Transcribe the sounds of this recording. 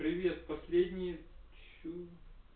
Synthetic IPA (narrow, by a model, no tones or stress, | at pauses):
pɾʲɪvʲet̪̚pɐsʲlʲed̪ʲnʲɪjə | t͡ʃu